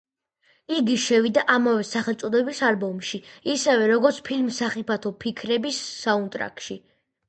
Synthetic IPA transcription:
iɡiʃɛvid̪aʔamavɛsaχɛlˠt̪sʼɔd̪ɛbisalbɔmʃiisɛvɛɾɔɡɔɾt̪sʰpʰilmsaχipʰat̪ʰɔpʰikʰɾɛbisːaunt̪ʼɾa̰kʼʃi

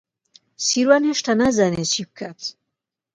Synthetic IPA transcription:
siɾwanɛʃt̪ʰanazanɛsib̚kʰat̪ʰ

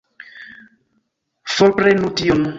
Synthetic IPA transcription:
fɔɾpɾenution

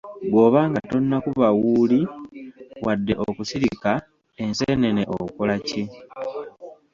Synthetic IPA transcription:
ɡo̞ːβaːŋɡato̞nːakuβawuːli | wʔadːe̞ʔokusiɾika | e̞nsene̞neʔokolace̞

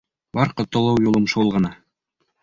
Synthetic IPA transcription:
bɑɾqɤ̆t̪ːŏlˠɑwjulˠɤmʃolˠʁɤ̆nɑ

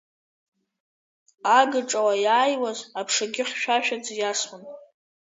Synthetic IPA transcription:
aɡɨʈ͡ʂʼawajaːjwazapʰʂaɡʲɪχʲʷʃᶣaʃᶣad͡zjasχʊn

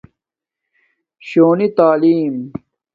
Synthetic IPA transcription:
ɕoːnit̪aːliːm

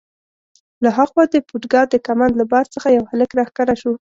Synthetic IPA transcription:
laɦaɣwɑd̪əpuʈɡɑd̪əkamand̪labɑɾt͡səxajawhaləkɾɑxkaɾaʃu

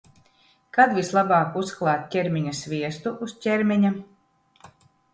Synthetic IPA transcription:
kad̪vʲislˠabɑːkusklˠaːt̪̚ʲcʲɛɾmʲiɲasvʲiɛst̪uʔuscʲɛɾmʲɛɲa

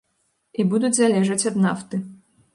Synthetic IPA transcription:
ibud̪ut͡sʲzʲalʲɛʐɐt͡sʲɐd̪naft̪ɨ

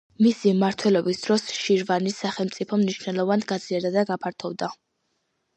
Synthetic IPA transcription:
misimaɾt̪ʰwɛlɔbisd̪̥ɾɔsʃiɾvanisaχɛlˠmt̪sʼipʰɔmniʃnɛlˠɔvanɡad̪ziaɾd̪ad̪aɡapʰaɾt̪ʰɔvd̪a

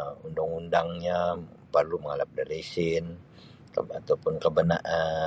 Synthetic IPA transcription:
undaŋundaŋɲapərluməŋalap̚daɾiisɪn | kəat̪aupʊnkəbənaʔa

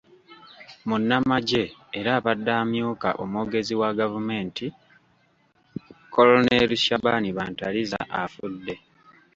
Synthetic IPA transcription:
munːamaɟe̞ːɾaːβadːaːmjuːka̰ʔo̞moːɡe̞ziwaɡavume̞ːnti | ko̞loneluʃaβaniβaːntaliza̰ʔafudːe̞

